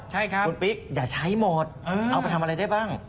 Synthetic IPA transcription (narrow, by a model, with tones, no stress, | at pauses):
t͡ɕʰa˥˩jkʰa˦u˧npi˦˥k̚jaː˨˩t͡ɕʰa˦˥jmɔː˨˧˩t̪̚ʔɤː˧a˧wpa˧jt̪ʰa˧mʔɾa˧jda˥˩jbaː˥˩ŋ